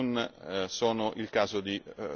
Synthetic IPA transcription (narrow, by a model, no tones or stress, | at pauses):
nsɔːnoʔilkaːzod̪i